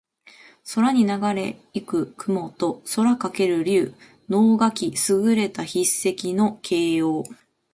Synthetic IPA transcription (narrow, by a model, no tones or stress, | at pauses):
so̞ɾaɲ̟inaɡaɾe̞ikɯ̟kɯ̟mo̞t̪o̞so̞ɾakake̞ɾɯ̟ɾʲɯː | no̞ːɡakʲisɨɡɯ̟ɾe̞t̪açisːe̞kʲino̞kʰe̞ːjo̞ː